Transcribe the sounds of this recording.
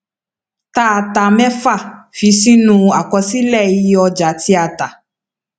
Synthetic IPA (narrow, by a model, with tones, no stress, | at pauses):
t̪a˦a˧t̪a˨mɛ̃˦fa˦˨fi˨˦si˦nũ˧a˨kɔ˧si˦lɛ˦˨ji˦ɔ˧d͡ʒa˨˦ti˦a˨t̪a˨